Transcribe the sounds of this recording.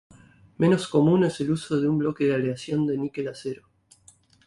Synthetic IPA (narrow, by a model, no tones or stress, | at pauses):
me̞no̞sko̞mũne̞se̞luso̞ðeumblo̞keðealeasjo̞nd̪e̞nikelaseɾo